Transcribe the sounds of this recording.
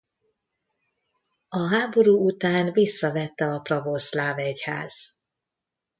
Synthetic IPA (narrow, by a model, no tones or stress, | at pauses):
ɒɦaːbo̞ɾuːut̪aːnvisːɒvɛt̪ːɛɒprɒvo̞slaːvɛcha̰ːz̥